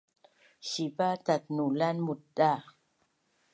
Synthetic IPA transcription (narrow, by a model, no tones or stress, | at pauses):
ɕibat̪at̪̚nulanmut̚da